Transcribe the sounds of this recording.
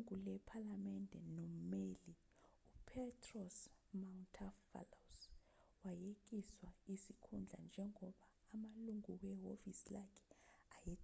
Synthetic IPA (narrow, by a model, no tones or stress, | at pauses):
ŋulɛpʰalamɛndʱɛnom̩meli | upʰɛtʰʼrɔsmauntʰafa̰los | wajek̬iswaisikʰund͡ɮʱa̰nd͡ʒʱɛŋɔɓaːmaluŋukw̬ɛɦovisilakʰɛ̥ajɛ